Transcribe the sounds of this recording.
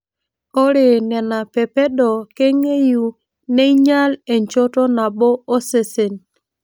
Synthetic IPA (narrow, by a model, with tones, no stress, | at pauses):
o˦ɾe˨nɛ˨na˨pɛ˨pe˦ɗo˨ke˦ŋe˦ju˨ | ne˦i˦ɲa˦le˨ɲt͡ʃo˦to˦na˨ɓo˦o˦se˦˨se˨n